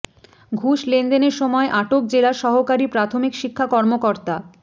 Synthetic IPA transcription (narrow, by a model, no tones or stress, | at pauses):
ɡʱuʃlend̪eneɾʃɔmɔeʔaʈok̚d͡ʑelaɾʃɔɦokaɾipɾat̪ʰomikʃikʰːakɔɾmokoɾt̪a